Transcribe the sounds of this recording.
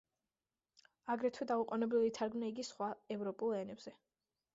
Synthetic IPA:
aɡɾɛt̪ʰwɛd̪auqʼɔnɛbɾivit̪ʰaɾɡmnaiɡisχwaɛvɾɔpʼulˠɛnɛbz̥ɛ

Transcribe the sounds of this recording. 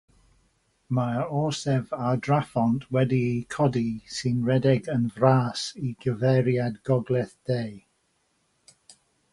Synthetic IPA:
maɔsɛvadrafɔntʰwɛdiikʰɔdisɨnɹɛdɛɡənvraːsiɡəvɛɾjadɡɔɡlˠɛθd̥ej

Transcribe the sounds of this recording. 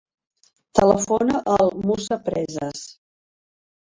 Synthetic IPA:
t̪ələfonəʔəlˠmusəpɾɛzəs

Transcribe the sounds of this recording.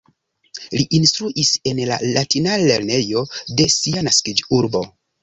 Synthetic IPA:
liʔinstɾuʔise̞nla̰latinale̞ɾne̞jo̞de̞sianaskid͡ʒuɾbo̞̰

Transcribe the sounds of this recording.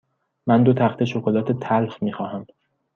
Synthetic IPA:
mænd̪ot̪ʰæxt̪ʰe̞ʃokʰolɒːt̪ʰet̪ʰælfmiːxɒːhæm

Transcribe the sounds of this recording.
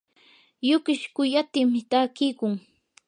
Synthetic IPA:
jʊkɪʃkʊjat̪ɪmɪt̪aːkɪjkʊŋ

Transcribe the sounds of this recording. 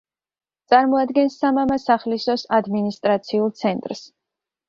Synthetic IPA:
t̪sʼaɾmɔad̪ɡɛnsːamamasaχlisɔsad̪minist̪ʼɾat̪sʰiulˠt̪sʰɛnt̪ʼɾs

